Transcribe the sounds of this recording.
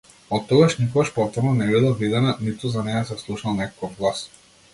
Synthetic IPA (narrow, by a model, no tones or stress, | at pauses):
ɔt̪ːɔɡaʃnikɔɡaʃpɔft̪ɔɾnɔnɛbilˠavid̪ɛnanit̪uzanɛjasɛfslˠuʃnalˠnɛkɔ̥kɔvɡlˠas